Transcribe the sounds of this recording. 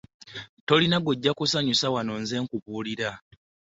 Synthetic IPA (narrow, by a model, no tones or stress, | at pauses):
to̞linaɡoɟːakusaɲusawano̞nze̞ːŋkuβuːliɾa